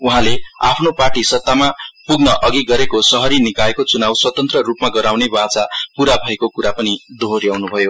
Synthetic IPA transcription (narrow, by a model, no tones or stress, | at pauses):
uɦãlea̰pʰnoparʈisʌt̪ːamapuɡnʌʔʌɡiɡʌɾekosʌɦʌɾinikaekot͡sunawswʌt̪ʌnt̪rʌrupmaɡʌɾawnebat͡sapuɾabʱʌekokuɾapʌnid̪ʱoɾiawnubʱʌjo